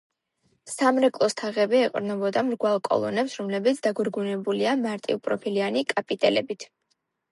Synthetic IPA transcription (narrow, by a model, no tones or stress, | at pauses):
samɾɛkʼlˠɔst̪ʰaʁɛbiɛqʼɾnɛbɔd̪amɾɡwalˠkʼɔ̰lˠɔ̰nɛpsɾɔmlɛbit̪sʰd̪aɡuɾɡunɛbuliamaɾt̪ʼḭupʼɾɔpʰilianikʼapʼit̪ʼɛlɛbit̪ʰ